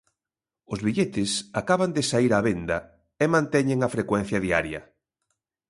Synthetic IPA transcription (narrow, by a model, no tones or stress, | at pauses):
ʊzβiʎet̪ɪsakaβand̪esaiɾaβend̪ɐ | emãnt̪ɛɲeŋɐfɾekwɛn̟θjɐðia̰ɾjɐ̰